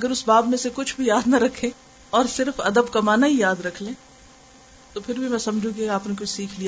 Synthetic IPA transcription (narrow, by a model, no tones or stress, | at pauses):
ɐɡəɾʊsbaːbmẽsekʊt͡ʃʰbʱijaːd̪nɐɾɐkʰːẽ | ɔːɾsɪɾfɐ̰d̪əbkamaːnaɦijaːd̪ɾɐkʰlẽː | t̪opʰɪɾbʱimɛ̃sɐmd͡ʒʱũk̬iaːpnek̬ʊt͡ʃʰsiːkʰlija